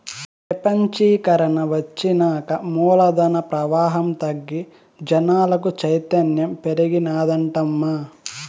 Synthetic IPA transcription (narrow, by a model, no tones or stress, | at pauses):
p | ɐpɐɲt͡ʃiːkɐɾɐɳɐʋɐt͡ʃːinaːkɐmɔːlɐd̪ɐnɐpɾɐʋaːɦɐmt̪ɐɡːi | d͡ʒɐnaːlɐk̬ut͡ʃɐjt̪ɐnjɐmpeɾiɡinaːd̪ɐɳʈɐmːɐ